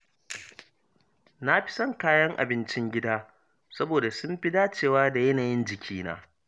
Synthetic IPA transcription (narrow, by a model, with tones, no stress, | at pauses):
na˦ɸɪ̥˦sɐ˦ŋkaː˦jɐ˦ŋʔa̰˨bɪ˦nt͡ʃɪ˦ŋɡʲɪ˦daː˦ | sɐ˦boː˨da˨sʊ˦mɸɪ˦daː˦t͡ʃeː˨waː˦da˨jɐ˦naː˨jɪ˦nd͡ʒɪ˨kʲʰiː˦na̰ː˦